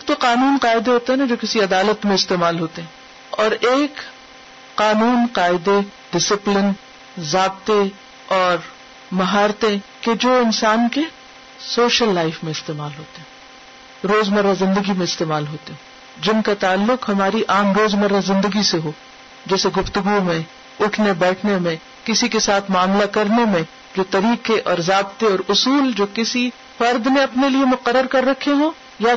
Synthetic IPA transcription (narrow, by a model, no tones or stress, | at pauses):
eːk̚t̪oqaːnuːnqaːɪd̪eɦoːt̪eɦɛnad͡ʒoːkɪsiɐd̪aːlət̪mẽɪst̪eːmaːlɦoːt̪eɦɛ̃ː | ɔːɾeːk | qaːnuːnqaːɪd̪eɖɪsɪplɪn | zaːb̚t̪e | ɔːɾ | mɐɦaːɾt̪ẽked͡ʒoːɪnsaːnke | soːʃəlːaːɪfmẽɪst̪eːmaːlɦoːt̪eɦɛ̃ː | ɾoːzmɐɾːazɪ̃nd̪əɡimẽɪst̪eːmaːlɦoːt̪eɦõ | d͡ʒɪnkat̪aːlːʊqɦɐmaːɾiʔaːmɾoːzmɐɾːazɪ̃nd̪əɡiseɦoː | d͡ʒɛːseɡʊft̪ʊɡumẽ | ʊʈʰnebɛːʈʰnemẽ | kɪsikesaːt̪ʰmʊaːmlakɐɾnemẽ | d͡ʒoːt̪ɐɾiːqeʔɔːɾzaːbt̪eɔːɾʊsuːld͡ʒoːkɪsi | fɐɾd̪mẽɐpneliemʊqəɾːəɾkɐɾːɐkʰeɦõː | ja